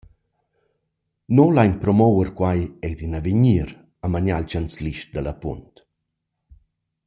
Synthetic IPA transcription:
nolajnpɾɔmɔwəɾkwajɛjdinaveɲiːɾ | amaɲalt͡ʃant͡sliʃt̚d̪alapṵnt̪

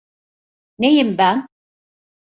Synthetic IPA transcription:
nejimbæn

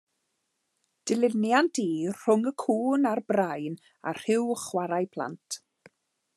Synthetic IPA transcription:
d̥ɪlɪnjantʰiːr̥ʊŋəkʰuːnarbrajn | a̰r̥ɪwχwaɾajpʰl̥ˠa̰ntʰ

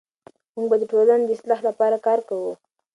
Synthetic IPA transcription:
muɡbad̪əʈolaned̪əɪslaxlapɑɾakɑɾkawu

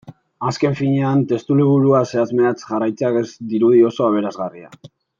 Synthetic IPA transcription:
aske̞ɱfiɲe̞ant̪e̞st̪uliβ̞uɾuase̞azmeat͡sʝarajt͡seakezd̪iɾuðio̞so̞aβ̞e̞ɾazɣaria̰

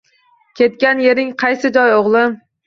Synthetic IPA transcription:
kʲʰe̞t̪̚kʲanje̞ɾɪŋqʰɑjsɪd͡ʒɒjoʁlˠɪ

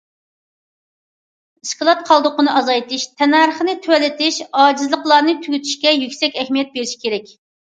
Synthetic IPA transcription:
iskəlˠɑt̪̚qʰɑlˠd̪ʊqənɨʔɑzɑjt̪ʰɪʃt̪ʰɛnɑɾəχənɨt̪ʰywɛlɪt̪ʰɪʃɑːd͡ʒizlˠəqlˠɑɾnɨt̪ʰyɡʲyt̪ʰy̥ʃkʲɛjykʲsɛkʲɛhmijɛt̪̚beɾɪʃi̥kʲeɾɛkʲ

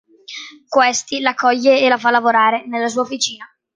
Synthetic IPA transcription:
kwest̪ilakːɔʎːeːlafalːavoɾaːɾenelːas̬uːaofit͡ʃiːna

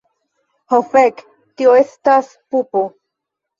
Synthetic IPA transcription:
hofek | tioestas | pupo

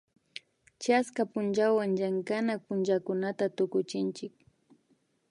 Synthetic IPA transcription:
t͡ʃaskapʊnt͡ʃawaŋd͡ʒaŋkanak̚pʊnt͡ʃakʊnat̪at̪ʊkʊt͡ʃɪnt͡ʃɪk

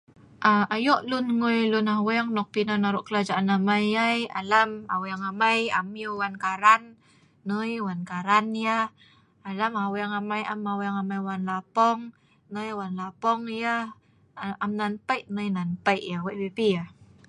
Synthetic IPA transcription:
ʔaajɔʔlunŋojlunawɛŋnɔk̚pinanaɾuʔkəlad͡ʒaʔanamajaja̰lama̰wɛaŋamajamjəwankaɾanː | əjwankaɾanjah | alamawɛaŋamajamawɛŋamajwanlapɔŋ | nəjwanlapɔŋjah | amnanpajʔnəjnanpajʔjawaʔbipija

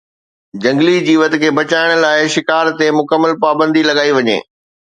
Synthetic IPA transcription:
d͡ʑɐ̃ŋɡlid͡ʑiːʋət̪kʰeːbɐt͡ɕaːɪɽ̃ə̆laːɪʃɪkaːɾt̪emʊkəmːəlpaːbə̃nd̪ʱilɐɡaːiʋɐɲḛː

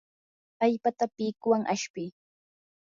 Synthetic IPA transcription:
ajpat̪apiːkʊwaŋʔaʃpɪj

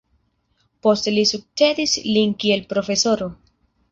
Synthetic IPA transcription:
po̞stelisuk̚t͡ʃe̞dislinkie̞lpɾo̞fe̞so̞ɾo̞

